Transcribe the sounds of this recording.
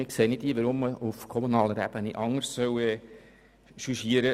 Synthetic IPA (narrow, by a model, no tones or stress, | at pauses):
ɪkseːnɪtiːʋəɾʊmːəufkʰɔmunɑːləɾæ̰b̥əniʔɑŋːəɾssœwɛ | ʃyʃiːəɾə